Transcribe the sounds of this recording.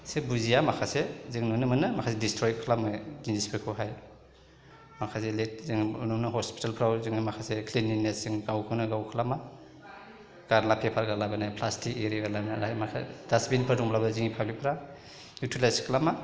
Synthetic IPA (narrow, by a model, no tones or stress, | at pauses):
sebuzijamakʰaseziŋnnɯmɯnɯmakʰasedistɾɔjkʰlamadinispʰɾikʰɔɦaj | makʰazelet̚ziŋunumnaɦɔspi̥talpʰɾawziŋamakʰasekʰlininesiŋɡawkʰɯnɯɡawkʰɯlama | ɡ̥aɾlapʰepʰaɾɡalabɯnajpʰlastʰikeɾiaɡalabnaamakʰadasbinpʰəɾdɔŋblabaziŋipʰawlipʰɾa | jutʰilajskʰlama